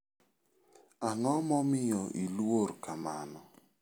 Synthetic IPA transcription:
aŋɔmɔmɪjɔʔiluoɾkamanɔ

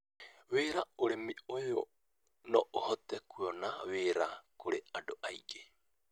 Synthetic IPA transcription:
weːɾaoɾemiojo̰ | noʔohotekuonaweɾakoɾeadoʔajɡe

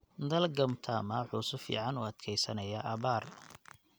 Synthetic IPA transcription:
d̪ɐlɡɐmt̪ʰaːmɐħuːsʊfḭːʕɑnuːɐd̪kʰɛjsɐnɐjaʔɐβaːr

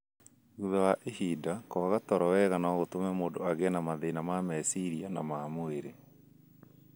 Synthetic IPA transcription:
ɣuðawaʔehidakɔɣatɔɾɔwɛɣanaɣotomɛmoːndoaɣɛnamaðeinamamɛsiɾiana̰maːmoeɾe

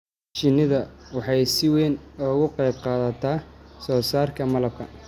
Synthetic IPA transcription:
t͡ʃɪnɪðɐwɑħɑjsɪwɛːnɔɣʊqɑjb̚qɑːðɐt̪ʰaːsɔːsaːrkʰɐmɐlɐb̚kʰɐ̰

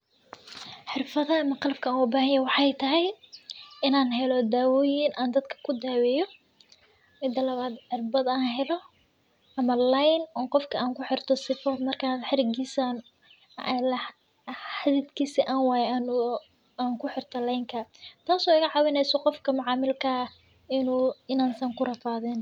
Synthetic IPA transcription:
ħɪrfɐðɐːmɐqɑlb̚kʰɐwɔbaːɦɐjɐwɑħɑjt̪ʰɐɦɛj | ɪnaːnɦɛlɔd̪aːwɔːjɪnʔaːnd̪ɐd̪kʰɐ̥kʰʊd̪aːwɛjɔ | mɪd̪ɐlɐβaːd̪ħɪrbɐd̪aːnɦɛlɔ | ɐmɐlajnɔːqɔfkʰɐaːŋkʰʊħɪrt̪ʰɔsɪfɔːd̪mɐrkʰaːħɪɾɪɡiːsan | lɐ | ħaðɪd̪kʰiːsɐʔaːnwaːjɛn | aːŋkʰʊħɪrt̪ʰɐlɛjŋkʰɐt̪ʰaːsɔːɪɣɐʕɑːwɪnɛjsɔqɔfkʰɐmʊʕɑːmɪlkʰɐ | ɪnuːɪnaːnsɐŋkʰʊrɐfaːðɛn

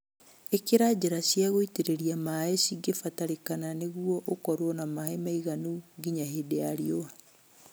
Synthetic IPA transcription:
ekeɾad͡ʑeɾasjaɣoiteɾeɾiamaesiɡefataɾekananeɣuɔʔokɔɾwɔnamaemaiɣanuɡiɲaɦedeaɾioa

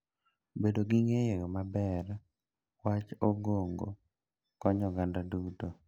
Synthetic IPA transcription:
bedoɡiŋejɔmabɛr | wat͡ʃoɡoŋɡo̰ | kɔɲɔɡandaduto

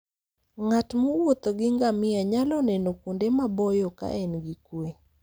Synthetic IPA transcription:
ŋatmowot̪oɡɪŋɡamɪaɲalɔnɛnokundemabɔjɔka̰ʔɛnɡikwe

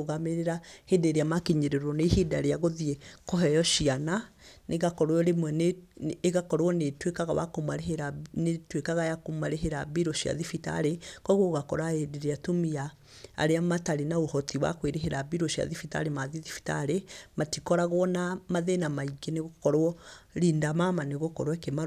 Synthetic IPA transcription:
oɣameɾeɾahedeɾeamakiɲeɾeɾɔnehedaɾeaɣoðiɛkɔɦɛjɔʃiana | neɣakɔɾwɛɾemwɛneːɣakɔɾwɔnetwekaɣa̰wa̰komaɾeeɾanetwekaɣajakomaɾeɦeɾabiɾoʃia̰ðifita̰ɾekɔɣoɣakɔɾaedeɾeatomia̰ː | ɾeamataɾenaohɔtiwa̰kweɾeɦeɾabiɾoʃia̰ðifita̰ɾemaðiðifi̥ta̰ɾematikɔɾaɣwɔnamaðenamaiɡeneɣokɔɾwɔɾindamamaneɣokɔɾwɛkema

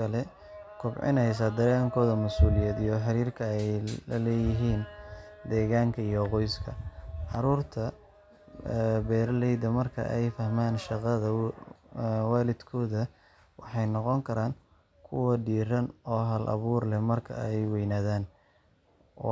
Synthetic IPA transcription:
kʰɐlɛ | kʰʊbʕɪ̰nɛjs̬ɐd̪ɛːɣaːŋkʰɔːðɐmɐsuːlɪjɛːd̪ijɔħɪɾiːrkʰɐɛjlɐlɛːjɪɦiːnd̪ɛːɣaːŋkʰɐijɔqɔjskʰɐʕɑɾuːrt̪ʰɐ | bɛːɾlɛjd̪ɐmɐrkʰɐ̰ʔɛjfɐhmaːnʃɑqɑðɐ | wɑːlɪd̪kʰɔːðɐ | wɑħɑjnɔqɔŋkʰɐɾaːn | kʰʊwɐɖiːrɐnɔːɦɐlʔɐ̰βuːrlɛmɐrkʰɐ̰ɛjwɛjnaːðaːn

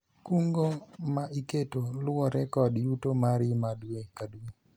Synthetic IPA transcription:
kuŋɡomaʔiketolʊɔɾɛkɔdjutomaɾɪmadwekadue

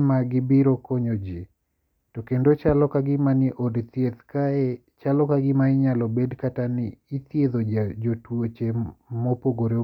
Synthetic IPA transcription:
maɡɪbɪɾokɔɲod͡ʒi | tɔkendot͡ʃalɔkaɡɪmanɪʔɔdt̪jet̪kae | t͡ʃalɔkaɡɪmaɪɲalɔbedkatanɪːt̪ieðod͡ʒad͡ʒotwot͡ʃemɔpoɡoɾe

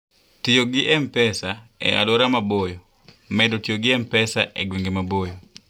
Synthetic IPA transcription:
tɪjoɡɪʔɛmpɛsaɛ̰a̰loɾamabojo | mɛdotɪjoɡɪɛmpɛsaʔɛɡweŋɡemabojo

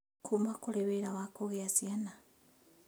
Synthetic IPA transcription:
kʰumakuleβeɾawakoɣeazjana

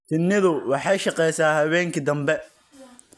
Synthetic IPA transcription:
t͡ʃɪnːɪðʊwɑħɑjʃɑqɛjsaːhɐβɛːŋkʰɐd̪ɐmbɛ

